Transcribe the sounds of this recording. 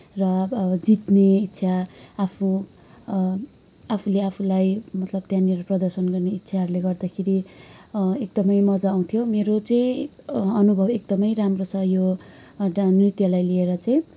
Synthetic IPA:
rʌd͡zit̪neit̪ːsʰaapʰũ | apʰuleapʰulajmʌt̪lʌb̚t̪jãniɾoprʌd̪ʌrsʌnɡʌrneit̪ːsʰaɦʌɾuleɡʌrd̪akʰeɾi | ek̚d̪ʌmʌjmʌd͡zaːw̃t̪ʰijomeɾot͡sʌĩ | ʌnubʱʌbek̚d̪ʌmʌjramrosʌjo | rit̪jʌlajlieɾʌt͡sʌj̃

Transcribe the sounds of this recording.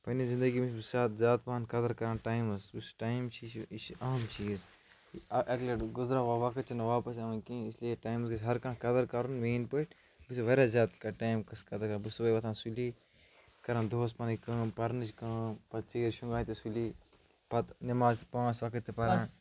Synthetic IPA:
pɐnizĩnd̪ɐɡimit͡ʃbusʲaːt̪zʲaːt̪̚pankɐd̪ɐɾkɐɾãːnʈaːimɐsusʈaːimt͡ʃʰiit͡ʃɐɦɐmt͡ʃʰiz | ʔɐklɐɡuzɾaːʋaʋɐkɐt̪̚t͡ʃʰinɐʋaːpɐsɐʋɐ̃nkĩːislieʈaːjmɐskɐsʲɦɐɾkãːkɐd̪ɐɾkɐɾunʋeːnpəʈ | busiʋɐɾʲaːzjaːt̪kɐʈaːjmkɐskɐd̪ɐɾkɐɾbusubɐjʋɐt̪ʰãːnsuli | kɐɾaːnd̪oːspaːnikɐ̃ːpɐɾnɨt͡ʃʰkãːpɐt̪t͡ʃiɾʃũŋɡaːt̪isuli | pɐt̪nɐmaːzt̪pãːsʋɐkɐt̪ːipɐɾaːn

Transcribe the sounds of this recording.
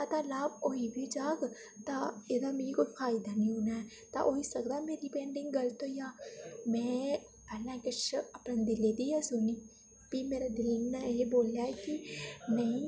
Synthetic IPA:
at̪alaːboɦibʱid͡ʒaːɡ | t̪aed̪ameːɾikopʰaːɪd̪anĩɦoːnaɦɛ | t̪a̰ʔoisɐɡd̪ameːɾipẽːɳɖɪ̃ŋɡɐɾt̪ojaːmɛ̃ː | ɐlãkɪt͡ʃʰɐpnãd̪ɪled̪ijasʊniː | pimeːɾad̪ɪlnaeboːljaɛkinɐĩ

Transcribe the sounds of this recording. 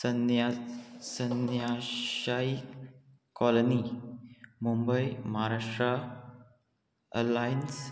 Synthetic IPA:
nasənjaʃai | kɔloni | mumbəjmaɦaɾaʂʈɾa | əlajns

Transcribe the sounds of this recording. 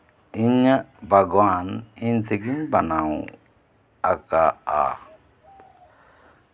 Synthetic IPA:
iɲəbʱaɡwaniɲt̪ʰiɡiɲbanaw | akaa̰

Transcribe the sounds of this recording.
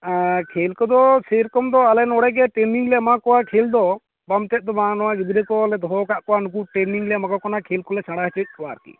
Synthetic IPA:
kʰelkɔd̪ɔseɾkɔmd̪ɔalɛnɔɽɛɡɛʈeniŋlɛmakɔwakʰeld̪ɔ | bamtɛd̪ɔmanɔwaɡid̪iɾɛkɔlɛd̪ɔɦɔkaʔkɔwanuk̬uʈeniŋlɛmakɔkɔnakʰeːlkɔlɛsʰaɽaɦt͡ʃɛt̪̚ˀkɔwaɾkḭ

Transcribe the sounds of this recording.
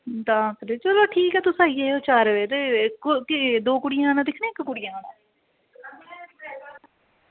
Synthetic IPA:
d̪aːkɾeːt͡ʃəloːʈʰiːkɛːt̪ʊsaːieoːt͡ʃaːɾʋeːt̪eːkkɪd̪oːkʊɽɪjãːnãːd̪ɪkʰnẽːɪkːʊɽɪjãːnãː

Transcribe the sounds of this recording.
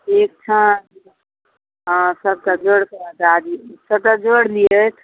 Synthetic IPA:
ek̚t͡ʃʰã | ɦsəb̚t̪ad͡ʒoɽkət̪ad̪isəb̚t̪ad͡ʒoɽliət̪ʰ

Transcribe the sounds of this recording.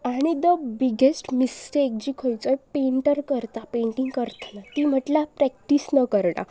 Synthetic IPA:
aɽ̃id̪əbiɡesʈmisʈeːk̚d͡ʑiːkʰojt͡sɔjpeɳʈəɾkəɾt̪apẽɳʈiŋɡkəɾt̪lat̪iːm̤əʈlapɾɛk̚ʈisnəkəɾɽa̰

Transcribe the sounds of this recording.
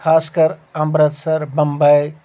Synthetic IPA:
kʰaːskəɾɐmbɾət̪səɾbəmbəj

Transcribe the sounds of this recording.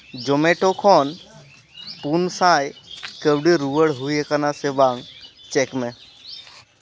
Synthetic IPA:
d͡ʒomeʈokʰɔːn | punsãːjkəbɖiɾuʋəɽɦuiekanasebaŋt͡ʃekmẽ

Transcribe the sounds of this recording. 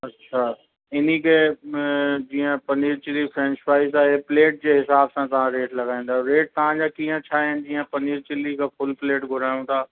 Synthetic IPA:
ɐtːʃʰaː | ɪnikʰe | d͡ʑiːə̃pɐniːɾt͡ɕɪlifʰɾɛ̃nʃpaːɪizaːɦepleːʈ̚d͡ʑeːɦɪsaːbsãt̪ɐʋ̤ãɾeːʈlɐɡaːĩːn̆d̪aɦɾeːʈ̚t̪ɐʋ̤ãːd͡ʑaːkĩːə̃t͡ɕʰaːɪn̆d͡ʑiːə̃pɐniːɾt͡ɕɪlikʰafʊlpleːʈɡʱʊɾaːjũt̪ʰaː

